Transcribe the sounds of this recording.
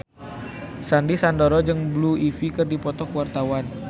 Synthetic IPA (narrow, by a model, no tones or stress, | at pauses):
sandisandoɾɔd͡ʒɨŋbluifikərdipɔt̪ɔkuwart̪awan